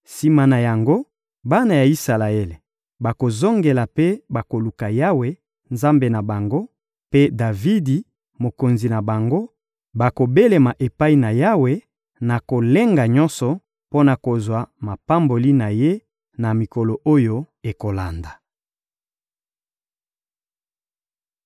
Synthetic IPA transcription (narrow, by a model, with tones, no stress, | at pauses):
si˦ma˨na˨ja˨ŋɡo˦ | ba˦na˨ja˨i˦sa˨la˨e˦le˨ | ba˨ko˨zo˦ŋɡe˨la˨pe˦ba˨ko˨lu˨ka˨ja˦we˨ | nza˦mbe˨na˨ba˨ŋɡo˦ | pe˦da˨vi˦di˨ | mo˨ko˨nzi˨na˨ba˨ŋɡo˦ | ba˨ko˨be˦le˨ma˨ʔe˨pa˦i˨na˨ja˦we˨ | na˨ko˨le˦ŋɡa˨ɲɔ˦nsɔ˨ | po˦na˨ko˨zwa˨ma˨pa˦mbo˨li˦na˨je˦ | na˨mi˨ko˨lo˨ʔo˦jo˦ | e˨ko˨la˨nda˨